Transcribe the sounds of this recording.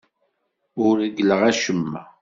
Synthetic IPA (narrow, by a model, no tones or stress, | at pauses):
ʊɾiɡələʁæʃəmːæ